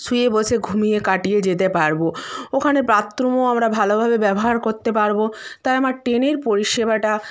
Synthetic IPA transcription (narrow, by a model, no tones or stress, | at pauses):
sujebolʃʰeɡʱumijekaʈijed͡ʑet̪epaɾbookʰanepɾat̪ːɾomoamɾabʱalobʱabebɛboɦaɾkoɾt̪epaɾbot̪ajamaɾʈeneɾpoɾiʃebaʈa